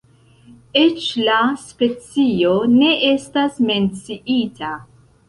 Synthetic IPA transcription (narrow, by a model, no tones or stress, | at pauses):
et͡ʃlaspe̞t͡sio̞ne̞ʔe̞stasme̞nt͡siita